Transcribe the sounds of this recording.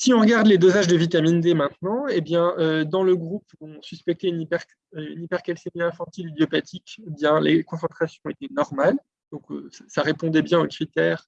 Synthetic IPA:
siɔ̃ʁɡaʁd̪led̪ozaʒd̪əvit̪amind̪emɛ̃t̪nɑ̃ebjɛ̃ød̪ɑ̃ləɡʁupɔ̃syspɛk̚t̪ɛynipɛʁ | ynipɛʁkɛlsemiɛ̃fɑ̃t̪ilyd̪jɔpat̪ʰikebjɛ̃lekɔ̃sɑ̃t̪χasjɔ̃et̪ɛnɔʁmal | d̪̥ɔ̃køsasaʁepɔ̃d̪ɛbjɛ̃okχit̪ɛːʁ

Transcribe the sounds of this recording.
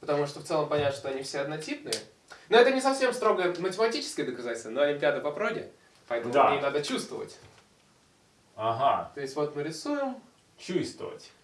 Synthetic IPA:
pə̥t̪ɐmuʂt̪oft̪sɛlˠəmpɐnʲat̪ʂt̪oɐnʲifsʲeɐd̪nɐtʲipnɨjə | noɛt̪ənʲɪsɐfsʲe̞mst̪ɾo̞ɡəjəmətʲɪmɐtʲit͡ɕɪ̥skʲəjəd̪əkɐzatʲɪsʲt̪vənoɐlʲɪmʲpʲɪad̪əpɐpɾodʲɪ̰ | pɐɛt̪əmua̰jejnad̪ət͡ɕust̪vəvə̰tʲ | aɦat̪o̞jɪsʲtʲvo̞t̪mɨɾʲɪsujɪm | t͡ɕust̪və̰və̰tʲ

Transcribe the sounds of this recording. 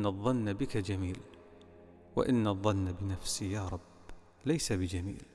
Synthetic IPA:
ɑðˤːɑnːabɪkad͡ʒamiːl | wa̰ʔɪnːɑðˤːɑnːabɪnafsijaːɾˤɑb | lajsabɪd͡ʒamḭːl

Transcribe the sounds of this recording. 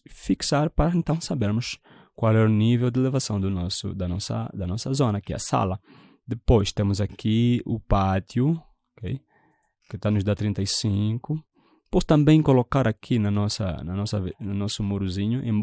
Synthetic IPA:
fiksaɾpaɾɐẽnt̪ɐ̃w̃sabeɾmʊs | kwalɛʊnivewd̪ɪlevasɐ̃w̃d̪ʊnɔsʊ̰d̪ɐnɔsɐ̰d̪ɐnɔsɐzõnɐakiɛɐ̰sa̰lɐ | d̪epojst̪ẽmʊzakʰiʊpat̪jʊ | okej | kɪt̪anʊzd̪at̪ɾĩnt̪ajsĩkʊ | post̪ɐ̃mbẽj̃kolokaɾakʰinɐnɔsɐ̰nɐnɔsɐvnɐnɔsʊmuɾuzĩɲʊʔḛ̃m

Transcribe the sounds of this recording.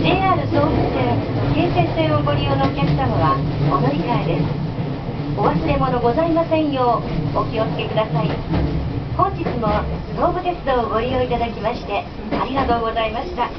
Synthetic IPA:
d͡ʑe̞ːaːɾɯ̟so̞ːbɯt͡sɨd̪ekeːsẽ̞nse̞ːoɡo̞ɾʲijonokʲessamoβaod̪o̞ɾʲikaed̪e̞sɨ̥ | oβasɨɾe̞mo̞no̞ɡo̞zaimasẽ̞ɰ̃jo̞ːɡokʲio̞t͡ske̞kɯd̪asai | hõ̞ɲd͡ʑit͡sɨmo̞ɾo̞ːbɯ̟t̪e̞t͡sɨd̪o̞ːɡo̞ɾʲijo̞it̪ad̪akʲimaɕi̥t̪e̞ | aɾʲiɡat̪o̞ːɡo̞zaimaɕi̥t̪a

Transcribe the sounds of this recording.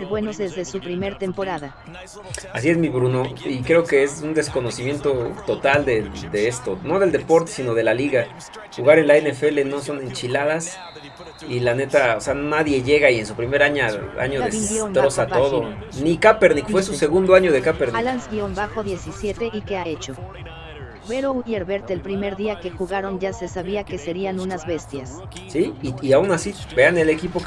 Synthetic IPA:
ɾbwenozðezðesupɾimeɾt̪empoɾaða | as̬ie̞zmiβɾuno̞ikɾe̞oke̞esund̪e̞sko̞no̞simje̞nt̪o̞t̪o̞t̪ald̪ed̪eest̪o̞no̞ðe̞ld̪e̞po̞ɾt̪esino̞ð̞e̞laliɣa | xuɣaɾe̞nlae̞nefe̞le̞no̞so̞ne̞nt͡ʃilaðas | ilane̞t̪aoseanonaðje̞ʝe̞ɣaie̞nsupɾime̞ɾaɲaa̰ɲoðeit̪ɾosat̪oðonikapeɾnikfwesuse̞ɣund̪oaɲo̞ðekapeɾalanzɡjombaxoðje̞sisje̞t̪eʔikeaet͡ʃo | beɾouʝeɾβeɾt̪eːlpɾime̞ɾðiake̞xuɣaɾo̞nʝase̞saβiake̞se̞ɾianũnazβe̞st̪jas | siːaunasibe̞anele̞kipo

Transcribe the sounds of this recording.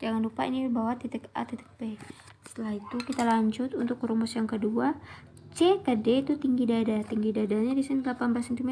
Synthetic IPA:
d͡ʒaŋanlupainibawat̪it̪ɛka̰t̪it̪ɛ̥k̚besə̥t̪əlaɦit̪ukit̪alaɲd͡ʒʊt̪unt̪ʊkɾumʊsjaŋkədua | t͡ʃekədɛt̪ut̪iŋɡidadat̪iŋɡidadaɲadisɛndlapanbasɛnt̪imɛ

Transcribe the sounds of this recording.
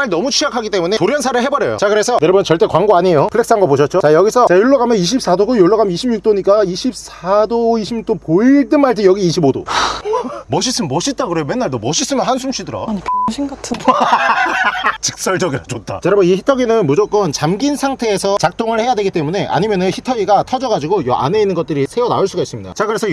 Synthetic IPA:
aɭnʌmut͡ɕʰijakʰaɡit͈emune̞toɾjʌnsʰaɾɯɭɦe̞bʌɾjʌjo̰t͡ɕakɯɾe̞sʰʌneɾʌbmʌt͡ɕʌɭt͈e̞kwaŋɡoaɲejopʰɯɭːe̞ks͈aŋɡapoɕʰʌt̚t͡ɕ͈ot͡ɕajʌɡisʰʌt͡ɕajoɭːʌɡamjʌniɕ̬ʰip̚s͈ʰadoɡojoɭːʌɣamiɕʰimɲuk̚t͈oɲik͈aiɕʰip̚sʰadoiɕʰimɲuk̚t͈opoiɭt͈ɯnmaɭtʰɯjʌɡiːɕʰibodo̰ | mʌɕ̬ʰis͈ɯmmʌɕʰit̚t͈akɯɾejomenːaɭdomʌɕʰis͈ɯmjʌnɦansʰumɕ͈ʰidɯɾa̰ɲipɕʰinɡatʰ | t͡ɕik̚s͈ʌɭd͡ʑʌɡiɾat͡ɕot͈̚ʰa̰t͡ɕeɾabʌniçitʰʌɡinɯnmud͡ʑok͈ʌnt͡ɕamɡinsʰaŋtʰe̞ːsʰʌt͡ɕak̚t͈ʰoŋɯɭhe̞jadwe̞ɡit͈e̞mune̞ʔa̰ɲimjʌnɯnçitʰʌɡiɡatʰʌd͡ʑʌɡad͡ʑiɡojʔa̰ne̞inːɯnɡʌt̚t͈ɯɾisʰe̞ʌna̰uɭs͈uɡais͈ɯmɲida̰t͡ɕakɯɾe̞sʰʌ

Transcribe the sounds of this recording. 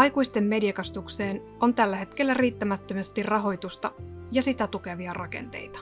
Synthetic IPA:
ɑjkuist̪e̞mːe̞diɑkɑst̪ukse̞ːn | o̞nt̪ælːæɦe̞t̪k̟e̞lːæriːt̪ːæmæt̪ːømest̪irrɑɦo̞jt̪ust̪ɑjɑsit̪æt̪uke̞ʋiɑrɑke̞̰nt̪e̞̰jt̪ɑ̥

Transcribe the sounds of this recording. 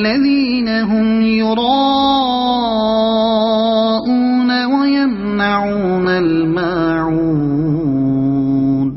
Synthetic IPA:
aðiːnaɦʊmjʊɾˤɑː | ʔuːnawajam | naʕuːnal | ma | ʕuː | d̪

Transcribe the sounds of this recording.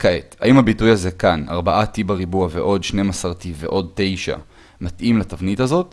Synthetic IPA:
kaʔeta̰ʔimhabitujaze̞kana̰ʁbaʔatibaʁibuaveʔo̞dʃnemasaʁtivḛʔo̞d̚te̞jʃa̰ | matʔimlatavnitazo̞t

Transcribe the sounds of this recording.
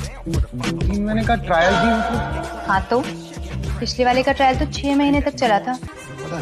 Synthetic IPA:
inmɛːnekɐʈɾaːjəlbʱiɦot̪ʰehãːt̪o | pɪt͡ʃʰleʋaːlekaʈɾaːjəlt̪ot͡ʃʰɛːmɐɦiːnet̪ɐk̚t͡ʃɐlat̪ʰaː

